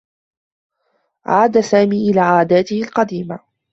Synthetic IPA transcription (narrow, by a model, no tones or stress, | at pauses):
ʕa̰ːd̪asaːmiːʔɪlaːʕaːd̪aːt̪ɪhɪlqɑd̪iːma